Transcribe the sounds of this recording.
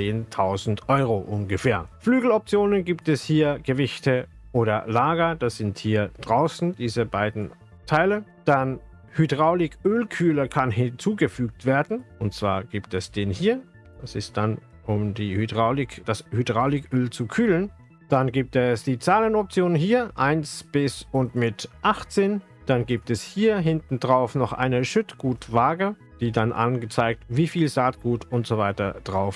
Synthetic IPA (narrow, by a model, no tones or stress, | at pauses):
t͡seːntʰaʊzn̩tʔɔʏʁoʔʊnɡəfɛːɐflyːɡl̩ɔp̚t͡sjoːnənɡiːp̚tɛshiːɐɡ̥əvɪçtə | ʔoːɾɐ̰laːɡɐd̥asz̥ɪnthiːɐd̥ʁaʊsn̩d̥iːzəbaɪdn̩ | tʰaɪlə | d̥an | hydʁaʊlɪkʰʔøːlkʰyːlɐkʰanɦɪnt͡suːɡəfyːk̚tv̥eːɐdn̩ʊntt͡sv̥a̰ːɐɡ̥iːp̚tɛsd̥eːnhiːɐ | d̥asɪst̚d̥an | ʊmdiːhydʁaʊlɪkd̥ashydʁaʊlɪkʔøːlt͡sukʰyːlən | d̥anɡiːp̚tɛsd̥iːt͡saːlənɔp̚t͡sjoːnnɦiːɐʔaɪnsb̥ɪsʊntmɪtʔaχt͡seːn | d̥anɡiːp̚tɛshiːɐɦɪntn̩dʁaʊfnɔχʔa̰ɪnəʃʏtɡ̥uːtv̥aːɡə | d̥iːdanʔa̰nɡət͡saɪk̚tviːfiːlzaːtɡ̥uːtʊntz̥ovaɪtɐ̰d̥ʁaʊf